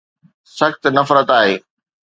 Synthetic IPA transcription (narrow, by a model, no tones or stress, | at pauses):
sɐxt̪nɐfɾət̪aːɦeː